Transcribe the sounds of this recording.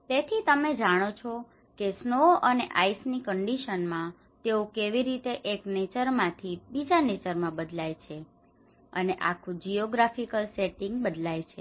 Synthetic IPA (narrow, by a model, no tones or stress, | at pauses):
t̪et̪ʰit̪əmed͡ʒaɽ̃ot͡ʃʰo | kesnoʔəneʔaisnikəɳɖiʃənmã | t̪eũkeʋiɾit̪eʔeknet͡ʃəɾmãt̪ʰibid͡ʒanet͡ʃəɾmãbəd̪lajt͡ʃʰe | ə̰neʔa̰kʰũd͡ʒioɡɾafikəlseʈiŋɡbəd̪lajt͡ʃʰe